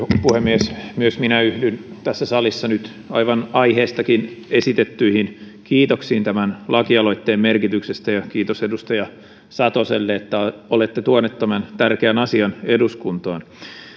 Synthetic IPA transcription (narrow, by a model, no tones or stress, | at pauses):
puhemːiesmyøsminæyhdynt̪æsːæsɑlisːɑnyt̪ | ɑiʋɑnɑiheːst̪ɑkinesit̪et̪ːyihin | kiːt̪oksiːnt̪æmænlʔɑkiɑloit̪ːeːmmerkit̪yksest̪æjɑkiːt̪osedust̪ɑjɑ | sɑt̪oselːeet̪ːæolet̪ːet̪uonːet̪t̪ːæmænt̪ærkeænɑsiɑneduskunt̪ɑːn